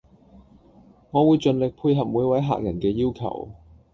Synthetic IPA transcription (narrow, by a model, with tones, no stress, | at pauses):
ŋɔː˨˧wuː˨˧jt͡ʃɵ˨˧nlɪ˨k̚pʰuː˧jɦɐ˨p̚muː˨˧jwɐ˨˥jɦa̰ː˨k̚jɐ˨˩nkɛː˧jiː˥wkʰɐ̰˨˩w